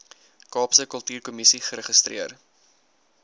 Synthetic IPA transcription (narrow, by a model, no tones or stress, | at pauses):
kɑːpsəkəlˠtyːrkumisiχəɾəχəstriər